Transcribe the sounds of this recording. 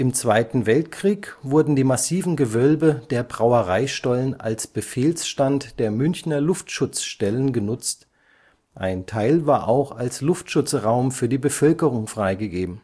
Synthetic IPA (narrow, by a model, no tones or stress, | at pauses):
ʔɪmt͡sv̥aɪtn̩vɛltkʁ̥iːkv̥ʊɐdn̩diːmasiːvn̩ɡəvœlbəd̥eːɐbʁaʊəʁaɪʃtɔlənʔa̰lsb̥əfeːlsʃtantd̥eːɐmʏnçnɐlʊftʃʊt͡sʃtɛlənɡənʊt͡st | ʔa̰ɪntʰaɪlvaːɐʔaʊxalslʊftʃʊt͡sʁaʊmfyːɐdiːbəfœlkəʁʊŋfʁ̥aɪɡəɡeːbm̩